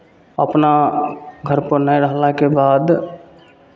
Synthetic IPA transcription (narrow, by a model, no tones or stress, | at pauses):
ə̰pnaɡʱəɾpənəjɾəɦlakebaːd̪